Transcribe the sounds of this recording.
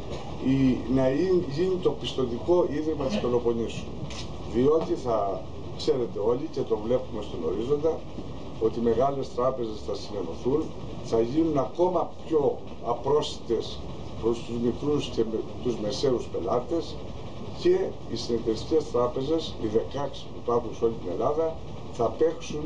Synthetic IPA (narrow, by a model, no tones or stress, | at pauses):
inɐiʝinit̪o̞pist̪o̞t̪iko̞ʔiðimɐt̪ist̪o̞lo̞po̞nisun | ðio̞t̪iθɐ | kse̞ɾe̞t̪e̞o̞licet̪o̞vle̞pume̞st̪ono̞̰ɾizo̞nd̪ɐ | o̞t̪ime̞ɣɐle̞st̪ɾɐpe̞ze̞sθɐsine̞no̞θun | θɐʝinunɐko̞mɐpço̞ | ɐpɾo̞sti̥t̪e̞s | pɾo̞st̪uzmikɾusce̞met̪uzme̞se̞uspe̞lɐt̪e̞s | ce̞ | isinet̪eisi̥ce̞st̪ɾɐpe̞ze̞siðe̞kɐksi̥pupɐɾxunso̞lit̪ine̞lɐðɐ | θɐpe̞ksun